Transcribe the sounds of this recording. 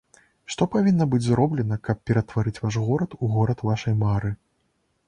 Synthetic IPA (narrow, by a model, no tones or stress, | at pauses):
ʂt̪ɔpavʲinːɐbɨd͡zʲzɾɔblʲɛnɐkɐp̚pʲɛɾɐt̪vaɾɨt͡sʲvaʂɣɔɾɐt̪uɣɔɾɐt̪vaʂɐjmaɾɨ